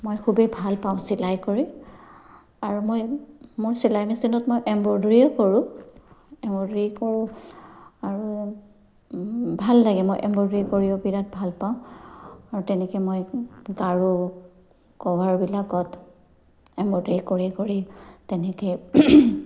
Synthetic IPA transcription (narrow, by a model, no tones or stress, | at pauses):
mojkʰubebʱalpaʊ̃silajkoɹi | aɹumojmoɹsilajmisinɔtmojʔɛmbɔdɹiɔkoɹʊ̃ | ɛmbɔdɹikoɹʊ̃ | aɹu | bʱalːaɡɛmojʔɛmbɔdɹikoɹiɔbiɹat̚bʱalpaʊ̃aɹutɛnɛkɛmojɡaɹu | kɔwaɹbilakɔt | ɛmbɔdɹikoɹikoɹitɛnɛkɛ